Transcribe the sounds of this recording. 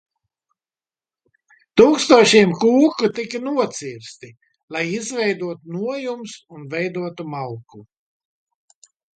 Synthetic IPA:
t̪uːkst̪uɔʃiɛmkuːkut̪ikanuɔt̪siːɾst̪i | lˠajizvɛjd̪uɔt̪unuɔjumsunvɛjd̪uɔt̪umalku

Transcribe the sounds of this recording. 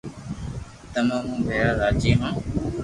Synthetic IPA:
t̪əmãːmũːbʱeːɾaːɾaːt͡ʃiːɦãː

